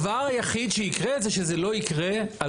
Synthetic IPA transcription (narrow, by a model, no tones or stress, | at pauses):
vaʁajaχid̪ʃeikʁeːtzeʃezelo̞ikʁea